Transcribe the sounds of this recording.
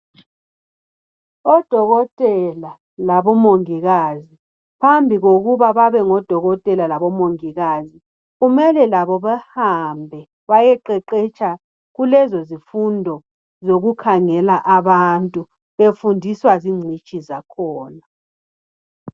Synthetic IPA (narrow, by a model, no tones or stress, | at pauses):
ɔd̥ʱɔɣɔtʼɛla | laβɔmoŋiɣazi | pʰambʱiɣoɣuβaβaβɛŋɔd̥ʱɔɣɔtʼɛlalaβɔmoŋiɣazi | ɣumɛlɛlaβɔβahambʱɛ | βajɛǃɛǃɛt͡ʃʼʰa | ɣulɛzozifundʱɔ | zoɣukʰaŋɛlaʔaβantʼu | βefundʱiswaziŋ͡ǀʱit͡ʃʼizakʰɔːna